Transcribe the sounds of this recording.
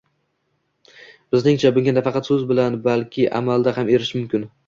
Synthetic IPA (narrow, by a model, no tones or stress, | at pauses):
b̥ɪznɪŋt͡ʃʰabʊŋɡʲanafɑqɑt̪sɵzbɪlanbalkʲʰɪʔa̰mald̪ahame̞ɾɪʃmʊmkʲɪn